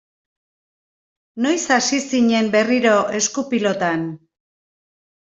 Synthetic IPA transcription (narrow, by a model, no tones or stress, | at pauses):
no̞jsasisiɲe̞mbe̞riɾo̞ʔe̞skupilo̞t̪an